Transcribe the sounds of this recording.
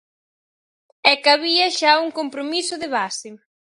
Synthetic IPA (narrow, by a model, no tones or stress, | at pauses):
ɛkaβiɐʃauŋkompɾomisʊðɪβasɪ